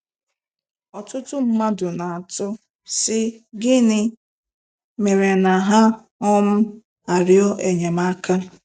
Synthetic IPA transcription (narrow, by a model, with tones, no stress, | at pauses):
ɔ˨tʊ˦tʊ˦m̩˦ma˦dʊ˨na˨a˨tʊ˦ | sɪ˦ɡɪ˦nɪ˦ | me˨ɾe˨na˨ɦa˦ | ɔ˦m̩˦ | a˨ɾjɔ˦ʔe˨ɲe˨ma˦ka˦